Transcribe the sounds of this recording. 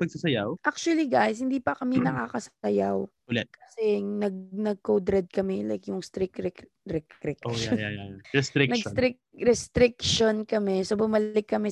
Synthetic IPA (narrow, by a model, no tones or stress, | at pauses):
pɐɡ̚sɐsɐjawʔak̚t͡ʃʊɐliɡajs̬hɪnd̪iːpɐkɐmɛnɐka̰kɐsɐjaw | ʊlɛkɐsɛnɐɡ̚nɐɡ̚kowd̪ɾɛd̪̚kɐmɛlajkjʊŋst̪ɾɪkɾɛk | ɾɛkɾɪkoʃajaɾɛst̪ɾɪknɐɡst̪ɾɪk̚ɾɛst̪ɾɪk̚ʃonkɐmɛsobʊmɐlɪkːɐmɛ